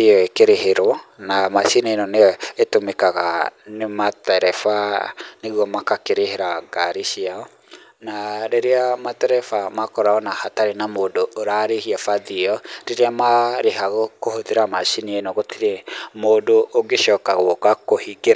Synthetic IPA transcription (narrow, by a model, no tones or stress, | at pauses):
eɔekeɾeɦeɾwɔnamaʃinienɔnejɔetomekaɣa̰nematɛɾɛfaneɣwɔmakakeɾeheɾaɡaɾiʃiaɔ | naɾeɾeamatɛɾɛfamakɔɾaɔnahataɾenamodoːɾaɾehiafaðiɔɾeɾeamaɾeɦaɣokohoðeɾamaʃinienɔɣotiɾemoːdoʔːɡeʃɔːkaɣokakohiɡeɾa